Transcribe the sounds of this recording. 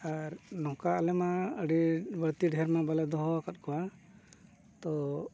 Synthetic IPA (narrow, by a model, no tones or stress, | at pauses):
aɾnɔkaʔalɛmaəɽibəɽt̪iɖʱɛɾmabalɛd̪ɔɦɔakat̪̚kɔwa | t̪ɔ